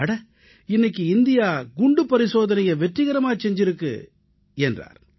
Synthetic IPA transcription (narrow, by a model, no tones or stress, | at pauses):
ɐɽɐ | ɪnːɐk̬ːɯɪnd̪ɪjaːɡʊɳɖɯpːɐɾɪsoːðɐnɐjɐʋɛʈrɪɣɐɾɐmaːt͡ʃɛɲd͡ʒɪɾɯkːɯ̰ | ɛndra̰ːɾ